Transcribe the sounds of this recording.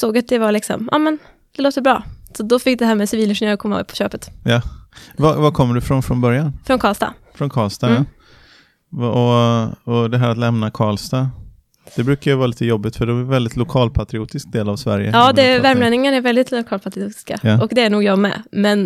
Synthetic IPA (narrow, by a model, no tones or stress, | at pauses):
soːɡat̪̚d̪ɛvaɭɪksɔ̰mʔɑ̰ːmɛn | d̪̥ɛloːt̪əbɾɑ̰ːsɔd̪ɔfɪk̚ːd̪ɛɦæːɾmɛsɪviːlɪnʂɛnjøːɾkʰɔmːaɛ̰pʰɔ̥ɕøːpət̪javavakʰɔmːəɖɵfɾɔnfɾɔnbœɾjanfɾɔnkʰɑːlst̪ɑ̰ːfɾɔnkʰɑːlst̪ɑ | vɔɔd̪ɛɦæːɾat̪lɛmnakʰɑːɭst̪ɑ | d̪̥ɛbɾʉ̟ːkajavɑːliːt̪əjɔbːɪt̪fœɖɛvɛld̪ɪt̪ʰlʊkʰɑːlpʰat̪ɾɪuːt̪ɪsk̚d̪eːlavsvæ̰ɾjə̰jɑːd̪ɛvæɾmlɛːd̪nɪŋənaæɾvɛld̪ɪt̪ʰlʊkʰɑːlpʰat̪ɾɪuːt̪ɪ̥ska̰jʔɔkd̪ɛæɳuːɡjɑːɡmɛ̰mɛn